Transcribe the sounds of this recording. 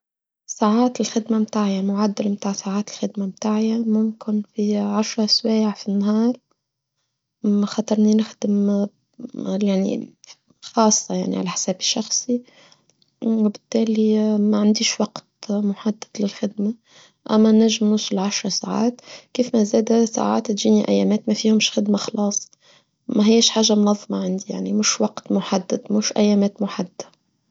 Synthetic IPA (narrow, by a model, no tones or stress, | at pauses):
saʕaːt̪ɪlxɪd̪mamt̪aːʕɪjamʊʕad̪ːɪlmt̪aːʕsaʕaːt̪ɪlxɪd̪mamt̪aːʕɪjamʊmkɪnfiʕaʃɾˤɑswæːʕfinːaɦɑːɾˤ | mæxɑt̪ˤɑɾˤninɪxd̪ɪm | jaʕnḭ | xɑːsˤːɑja̰ʕnḭʕa̰læħsæːbɪʃːɑxsˤi | wɪbɪt̪ːæːlimæʕand̪iːʃwɑqt̪mʊħad̪ːad̪lɪlxɪd̪ma | ʔæmːænæʒɪmnʊsˤʊlʕaʃɾˤɑsaːʕa̰ːt̪kiːfmæzæːd̪æsa̰ʕa̰ːt̪t̪ʒiːniʔæ̰jːæːmɛːt̪mæfiːhʊmʃxɪd̪maxɑlɑːsˤ | mæɦɪjːæʃħaːʒːamʊnɑðˤːmɑʕand̪ija̰ʕnimʊʃwɑqt̪mʊħad̪ːad̪mʊːʃʔæjːæːmɛːt̪mʊħad̪ːḁ